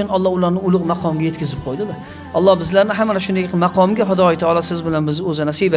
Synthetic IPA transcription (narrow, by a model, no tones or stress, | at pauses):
ʊnɒlˠːɒhʊlaɾnɪʊlˠʊqmɑqʰɒmɡʲaje̞t̪kʲɪzɪp̚qʰojd̪ɪd̪ɪ | ɒlˠːɒhbɪzlaɾnɪɦamːanʃʊnd̪ejnmɑqʰɒmɡʲaɦʊd̪ɒjt̪ʰaɒlˠɒsɪzbɪlanbɪzɵzɪnasiba